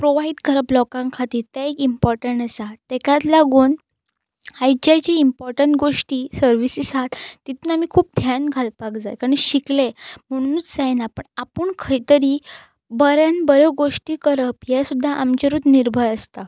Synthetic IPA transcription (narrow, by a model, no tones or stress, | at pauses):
pɾoʋaiɖkəɾəplɔkãŋkʰat̪iːt̪aekimpɔɾʈəɳʈəsat̪ːekjãt̪laɡuːn | hajd͡ʑajt͡ɕiːmpɔɾʈəɳʈɡoʂʈiːsəɾʋisisat̪t̪ːit̪ʰuːnamikʰuːp̚d̪ʱjanɡʱalpakd͡zajkaɾəiɕiklem̤əɽ̃ũnːnut͡sd͡zajnapəɳapuːɳkʰəit̪əɾiː | bəɾjanbəɾəɡoʂʈiːkəɾəpjasud̪ʱːaʔamt͡ɕeɾuːd̪niɾbʱəɾəst̪a